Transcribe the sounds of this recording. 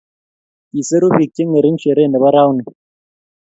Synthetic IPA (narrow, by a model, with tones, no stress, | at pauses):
i˨se˦ɾu˦ɸi˨k̚kːi˦ŋə˨ɾi˦n̩˦ʃe˨ɾe˦˨nə˨βa˦ɾa˦wni˨